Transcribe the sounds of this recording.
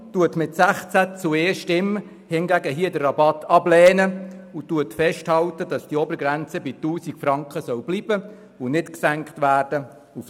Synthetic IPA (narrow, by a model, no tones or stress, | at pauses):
tuətmɪtsæχt͡sæt͡sueːʃtɪm | hɪnɡæɡəɦiədərɑbɑtʰɑblɛːnəutuətfɛʃthɑltəd̥ɑsd̥iɔbəɾɡɾænt͡səbituːsikfrɑŋkχəsœwb̥liːb̥ə | unɪtksæŋkχtʋæːrd̥ə | uf